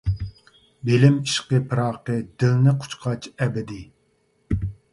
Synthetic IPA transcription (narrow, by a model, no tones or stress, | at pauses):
belɪmiʃqəpʰɨɾɑːqəd̪ɪlnɪqʰʊ̥t͡ʃqʰɑt͡ʃɛbɪd̪ɪ